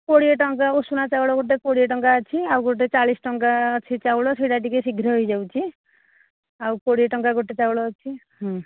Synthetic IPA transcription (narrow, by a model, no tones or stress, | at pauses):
koɽijeʈʌŋkaosunat͡sawɽoɡoʈ̬ekoɽijeʈʌŋkat͡sʰiawɡoʈ̬et͡salisʈʌŋkaʌt͡sʰit͡sawɽosiɽaʈikesiɡʱɾʌɦjd͡zawt͡sʰi | awkoɽijeʈʌŋkaɡoʈet͡sawɽot͡sʰiɦɔ